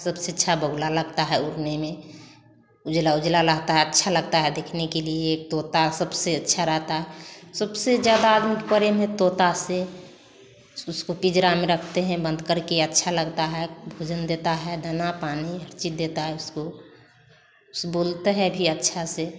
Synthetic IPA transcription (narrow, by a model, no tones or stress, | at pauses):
səbseətːʃʰabəɡlaləɡt̪aɦɛʊɾnemẽ | ʊd͡ʒlaʊd͡ʒlaləɦt̪aɦɛətːʃʰaləɡ̚t̪aɦɛd̪ekʰnekelieːk̚t̪ot̪asəbseətːʃʰaɾəɦt̪aɦɛsəbsed͡ʒjad̪aːd̪mikpəɾemɦẽt̪ot̪ase | ʊskokɪd͡ʒɾameɾəkʰt̪eɦɛ̃bə̃nd̪ʱkəɾkeətːʃʰaləɡt̪aɦɛbʱoːd͡ʒənd̪et̪aɦɛd̪ʱənapaːniɦəɾt͡ʃit̪̚d̪et̪aɦɛʊsko | ʊsbolt̪eɦɛbʱiətːʃʰase